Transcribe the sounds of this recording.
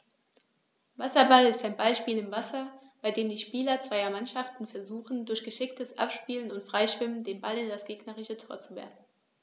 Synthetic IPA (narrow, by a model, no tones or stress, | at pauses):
vasɐbalɪstaɪnbaɪʃpiːlɪmvasɐb̥aɪdeːmdiːʃpiːlɐt͡sv̥aɪɐmanʃaftn̩fɛɐzuːxn̩dʊɐçɡ̥əʃɪk̚təsʔa̰pʃpiːlənʊntfʁ̥aɪʃv̥ɪməndeːmbalɪndasɡ̥eːɡnəʁɪçətʰoːɐt͡suvɛ̰ɐfn̩